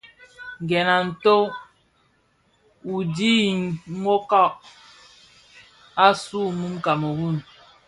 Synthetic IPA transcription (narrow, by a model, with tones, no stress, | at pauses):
ŋ˨ɡɛ˨na˨n̩˨to˦ | u˨di˦i˨ŋ˦o˦ka˦˨ʔ | a˦su˦˨mu˦mka˨mo˨wu˦˨n